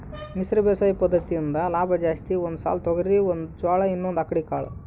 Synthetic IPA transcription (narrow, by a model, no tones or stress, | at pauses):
misɾɐbɛːsaːjpɐd̪ːɐt̪ijind̪ɐlaːbʱɐd͡ʒaːst̪iond̪usa̰ːlt̪oɡɐɾɾiond̪ud͡ʒaːɭɐinːond̪ɐkːɐɽikaːɭɐ̰